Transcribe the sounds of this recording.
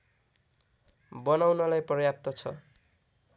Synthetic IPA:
bʌnawnʌlajprʌjap̚t̪ʌt͡sʰʌ̰

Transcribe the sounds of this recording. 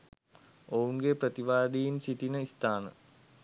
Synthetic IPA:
owuŋɡeprət̪iʋaːd̪ijinsiʈinəist̪aːnə̰

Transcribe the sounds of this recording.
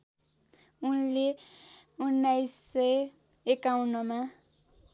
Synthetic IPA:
unle | unːajsːʌj | ekawnʌma

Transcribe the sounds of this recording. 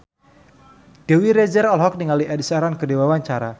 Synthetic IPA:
d̥ewiɾɛd͡ʒəɾɔlɦɔk̚niŋaliʔɛdisaɾankədewawaɲt͡ʃaɾa

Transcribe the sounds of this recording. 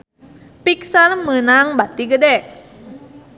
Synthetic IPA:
piksalmənaŋbat̪iɡədɛʔ

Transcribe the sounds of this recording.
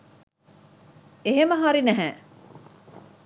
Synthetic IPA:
eɦeməɦaɾinæɦæː

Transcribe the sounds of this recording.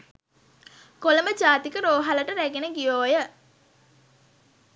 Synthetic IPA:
koləməd͡ʒaːt̪ikəɾoːɦaləʈəɾæɡenəɡijoːjə

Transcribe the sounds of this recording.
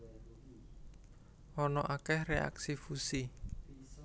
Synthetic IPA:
ʔɔnɔʔakɛhrea̰ksifusi

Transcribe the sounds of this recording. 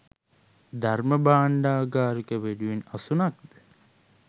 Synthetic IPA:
d̪ʱɐɾmɐbaːɳɖaːɡaːɾukeʋeɖuinɐsunɐk̚d̪e

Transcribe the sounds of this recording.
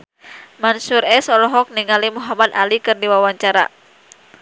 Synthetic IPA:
mansuɾɛsɔlɔɦɔk̚niŋalimuɦamad̪a̰likɨrdiwawaɲt͡ʃaɾa̰

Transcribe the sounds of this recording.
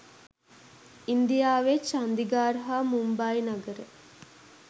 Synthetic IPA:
ind̪ijaːʋet͡ʃand̪iɡaːɾɦaːmumbainaɡəɾe

